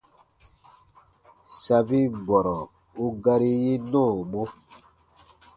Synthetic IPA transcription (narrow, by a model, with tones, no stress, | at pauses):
sa˧bi˦bɔ˨ɾɔ˨ | u˦ɡa˦ɾi˦ji˦nɔ̃ː˦˨mo˦